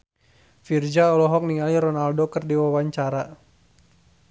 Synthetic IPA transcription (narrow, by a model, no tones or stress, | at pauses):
fird͡ʒaɔlɔɦɔk̚niŋaliɾɔnaldokɨrdiwawaɲt͡ʃaɾa